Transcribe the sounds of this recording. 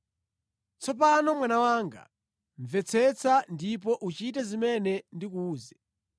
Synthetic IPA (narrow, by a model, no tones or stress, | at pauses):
t͡sʰɔp̬anɔmwanawaːŋɡa̰ | ɱvɛt͡sʰɛt͡sʰandip̬ɔʔut͡ʃitɛzimɛnɛndikuːzɛ